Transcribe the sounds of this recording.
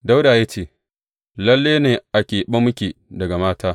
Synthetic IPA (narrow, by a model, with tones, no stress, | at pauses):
da˦wdaː˨ja˦t͡ʃeː˦˨ | lɐ˦lːeː˦neː˨ʔa˨kʲeː˨ɓɐ˦mːʊ˦kʲeː˨dɐ˨ɡa˨maː˦taː˦